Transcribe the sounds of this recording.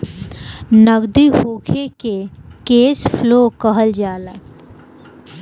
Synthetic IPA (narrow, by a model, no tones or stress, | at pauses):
nəɡd̪iɦoːkʰekekeːspʰloːkəɦəld͡ʒaːla